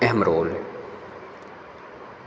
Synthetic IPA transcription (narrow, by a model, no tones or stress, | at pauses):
ɛɦəmɾoːl